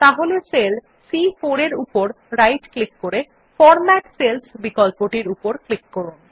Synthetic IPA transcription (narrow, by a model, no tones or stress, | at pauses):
t̪aɦolesel | sifoɾeɾupoɾ | ɾajʈklikːoɾe | fɔɾmɛʈselsbikɔlpoʈiɾupoɾklikːoɾun